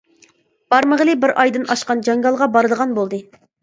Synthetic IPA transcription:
b̥ɑɾməʁəlˠɨbɪɾʔɑjd̪ɨnʔɑʃqɑnd͡ʒɑŋɡɑlˠʁɑbɑɾɨd̪əʁɑnbolˠd̪ɨ

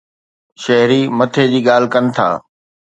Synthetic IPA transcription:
ʃɐɦɾimɐt̪ʰed͡ʑiːɠaːl̤ɪkɐnɪ̆t̪ʰa̰ː

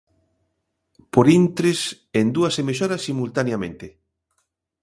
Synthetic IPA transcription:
poɾint̪ɾes | end̪uɐsemeʃɔɾɐsimult̪anjamẽnt̪e

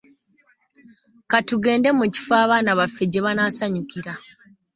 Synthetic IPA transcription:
katuɡe̞ːnde̞muci̥faːβaːnaβafːe̞ɟe̞βanaːsaɲukiɾa

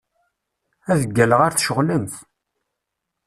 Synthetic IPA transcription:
æðəɡːæləʁaɾθʃəʁləmθ

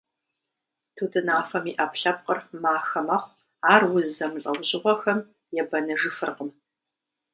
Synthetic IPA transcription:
tʰudɨnaːfɐmiːʔɐpɬɐp̚qʼərmaːxɐmɐχʷ | aːrwʊzɐmɬʼɐwʑɪʁʷɔxɐm | jɛbɐnɨʐɨfɨrqəm

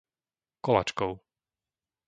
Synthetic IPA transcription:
kɔla̰t͡ʃkɔʊ

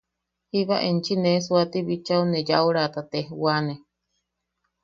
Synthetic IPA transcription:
hiβaʔent͡ʃinesuat̪iβit͡ʃauned͡ʒauɾat̪at̪ehwane

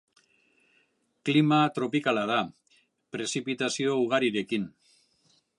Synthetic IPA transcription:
klimat̪ɾo̞pikalaða | pɾe̞sipit̪asio̞uɣ̞aɾiɾe̞kin

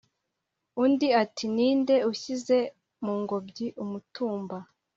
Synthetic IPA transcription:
undiatʰiniːnde̞uçize̞ | muːŋɡo̞bɟiʔumutuːmba

